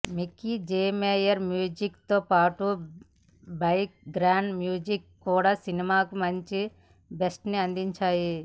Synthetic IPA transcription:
mikid͡ʒeːmeːjɐɾmjuːd͡ʒikt̪oːpaːʈu | bɐjk̚ɡɾaːɳɖmjuːd͡ʒikːuːɽaːsinimaːkumɐɲt͡ʃi | besʈniɐnd̪iɲt͡ʃaːji

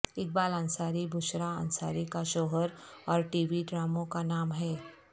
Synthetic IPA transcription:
ɪk̚baːlãnsaːɾibʱʊʃɾaə̰nsaːɾikaʃɔːɦəɾɔːɾʈiːʋiɖɾaːmõkanaːmɦɛː

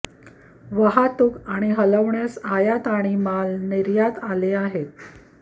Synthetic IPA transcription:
ʋəɦat̪ukaɽ̃iɦələʋɳjasajat̪aɽ̃imalniɾjat̪aleaɦet̪̚

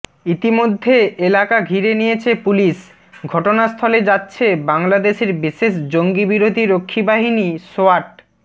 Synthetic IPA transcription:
it̪imod̪ʱːeelakaɡʱiɾenijet͡ɕʰepuliʃ | ɡʱɔʈonast̪ʰɔled͡ʑatːɕʰebaŋlad̪eʃeɾbiʃeʃd͡ʑoŋɡibiɾod̪ʱiɾokʰːibaɦinisoaɾʈ̚

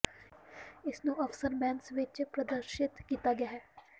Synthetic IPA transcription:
ɪsnũɐfsəɾbɛ̃ːnsʋɪt͡ʃpɾəd̪əɾʃɪt̪kiːt̪aɡɪjaːɦɛː

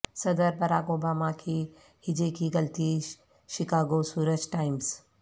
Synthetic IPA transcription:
sɐd̪əɾbɐɾaːkoːbaːmakʰiː | hɪd͡ʒekʰiːɡɐlt̪i | ʃɪkaːɡosuːɾəd͡ʒʈaːɪmz

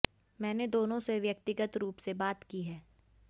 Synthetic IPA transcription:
mɛ̃ːned̪oːnõseʋjək̚t̪ɪɡət̪ɾuːpsebaːt̪kiɦɛː

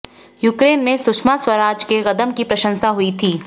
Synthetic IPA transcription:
jukɾeːnmẽsʊkʃmaswɐɾaːd͡ʒkeɣɐd̪əmkipɾɐʃə̃nsaɦʊit̪ʰiː

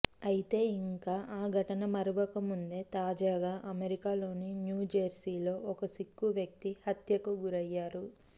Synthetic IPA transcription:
ɐjit̪e̞ːiŋkaːʔaːɡʱɐʈɐnɐmɐɾuʋɐkɐmund̪e̞ːt̪aːd͡ʒaːɡaːʔɐmeɾikaːlo̞ːninjuːd͡ʒɐɾsiːlo̞ːʔɔkɐsikːuʋjɐk̚t̪ihɐt̪jɐkuɡuɾɐjːaːɾu

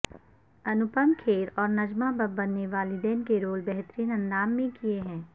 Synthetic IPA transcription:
ɐnʊpəmkʰeːɾɔːɾnɐd͡ʒmabɐbːɐnːeʋaːlid̪ɛːnkeɾoːlbɛɦt̪ɾiːnɐ̃nːaːmːẽkieɦɛ̃ː

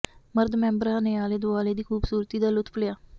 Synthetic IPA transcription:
məɾd̪mɛ̃ːmbəɾãːneːaːleːd̪ʊaːleːd̪iːkʰuːbsuːɾt̪iːd̪aːlʊt̪pʰəljaː

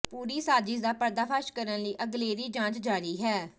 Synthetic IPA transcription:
puːɾiːsaːd͡ʒɪsd̪aːpəɾd̪aːpʰaːʃkəɾənləiːʔəɡleːɾiːd͡ʒãːt͡ʃd͡ʒaːɾiːɦɛː

